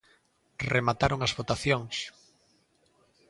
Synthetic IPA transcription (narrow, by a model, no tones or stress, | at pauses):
remat̪aɾoŋazβot̪aθjoŋs